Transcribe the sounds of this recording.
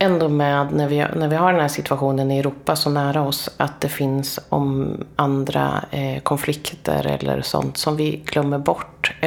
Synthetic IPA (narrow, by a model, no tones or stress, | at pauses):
ɛnd̪oːmɛːd̪næɾvɪnæɾvɪɦaɖɛnhæːʂɪt̪ʰvaɧuːnənɪɛɾuːpasɔnæːɾaɔsat̪̚d̪ɛfɪnsɔ̰mand̪ɾa̰kʰɔnflɪkt̪ʰə̰ɾɛ̰lːə̰ɾsɔ̰nt̪sɔmvɪɡlœmːəɾbɔʈː